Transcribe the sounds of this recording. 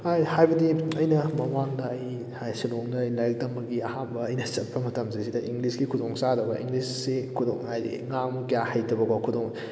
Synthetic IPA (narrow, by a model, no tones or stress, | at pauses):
hajhajbɐdiɐjnɐmɐmaŋdɐɐj | hajsiloŋdɐɐjlajk̚dɐmːɐɡiɐhambɐɐjnɐsɐt̚pɐmɐtɐmsisidɐʔiŋɡlisɡikʰudoŋsadɐbɐ̰ʔḭŋɡlisːikʰudo̰ŋajdḭŋamkijahajtɐbɐkakʰudoŋ